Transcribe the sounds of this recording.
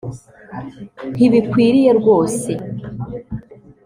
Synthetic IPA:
n̥iβikwiːɾije̞ɾɡwo̞ːse̞

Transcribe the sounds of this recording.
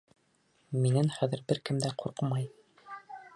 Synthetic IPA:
minænχæðɘ̆ɾbɘɾkɘ̆md̪æquɾqɤmɑj

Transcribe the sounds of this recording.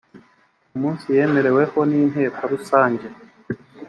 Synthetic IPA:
omuːnsijemeɾewehonineːpʰaɾusaːɲɟe

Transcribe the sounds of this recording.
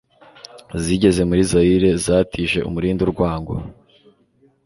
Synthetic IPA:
ziɟe̞ze̞muɾizajiɾezaːtʰiːʒe̞ṵmuɾiːnduɾɡwaːŋɡo̰

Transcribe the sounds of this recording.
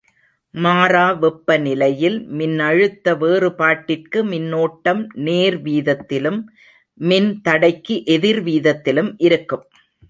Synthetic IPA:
maːraːʋɛpːɐnɪlɐjɪlmɪnːɐɻɯt̪ːɐʋeːrɯpaːʈːɪrkɯmɪnːoːʈːɐmneːɾʋiːðɐt̪ːɪlɯmː | ɪnt̪ɐɽɐɪkːiʔɛðɪɾʋiːðɐt̪ːɪlɯmʔɪɾɯkːɯm

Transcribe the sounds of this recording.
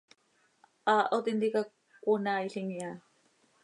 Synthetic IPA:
aːʔot̪int̪ika | kunajɬiŋja

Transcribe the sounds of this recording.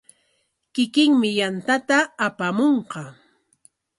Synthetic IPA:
kɪkɪŋmɪjant̪at̪aːpamoɴqɑ

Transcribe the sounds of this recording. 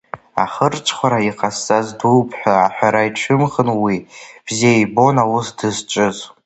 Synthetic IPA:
a̰χərt͡ʃʷʼʰχʷaɾaiqʰʼast͡sʼazduwpʰħʷᶣaaħʷᶣaɾaiʈ͡ʂʰɨmχənwib̥ziajbo̞nawʊsdɨzt͡ʃʷʼɨz

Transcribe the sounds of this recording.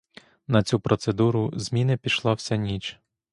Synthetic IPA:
nɐt͡sʲupɾɔt̪sed̪uɾʊzʲmʲinɪpʲiʃlˠɑwsʲɐnʲit͡ʃ

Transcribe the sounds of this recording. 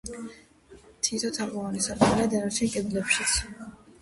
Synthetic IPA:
t̪ʰit̪ʰɔt̪ʰapʼɔvanisaɾtɛɾad̪ɛnɔʃiŋkʼɛd̪lɛpʃi̥t̪sʰ

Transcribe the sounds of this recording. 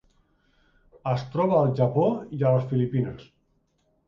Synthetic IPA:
əst̪ɾɔβaːlˠʒapoialəsfilipinəs

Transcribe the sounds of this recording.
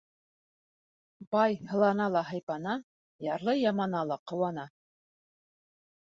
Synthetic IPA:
bɑjhɤ̆lˠɑnɑlˠɑɦɑjpɑnɑ | jɑɾlˠɤjɑmɑnɑlˠɑqɤ̆wɑnɑ

